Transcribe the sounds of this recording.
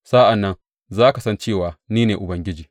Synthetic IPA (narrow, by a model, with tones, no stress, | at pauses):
sa˦ʔa˨nːɐ˦n | zaː˦ka˨sɐ˦nt͡ʃeː˦˨waː˨niː˦neː˨ʔʊ˨bɐ˦ŋɡʲɪ˦d͡ʒiː˨